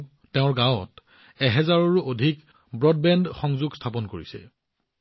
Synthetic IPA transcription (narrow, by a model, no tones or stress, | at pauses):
ɛʊ̃ɹɡãwɔt | ɛɦɛzaɹɔɹuʔodʱik | bɹɔd̚bɛndxɔŋzuɡstʰapɔnkoɹisɛ̰